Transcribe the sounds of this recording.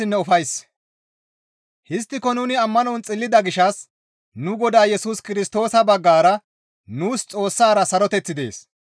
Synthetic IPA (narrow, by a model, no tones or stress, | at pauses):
ɪnːɛʊfɐjs | hɪs̬t̪ːɪkɔnʊnɪɐmːɐnɔnt͡sʼɪlːɪd̪ɐɡɪʃɐs | nʊɡɔd̪aːjɛsuskɪɾɪst̪o̞ːsɐbɐɡːaːɾɐ | nuːst͡sʼo̞ːsːaːɾɐsɐɾɔt̪ɛt͡sːɪd̪e̞̰ːs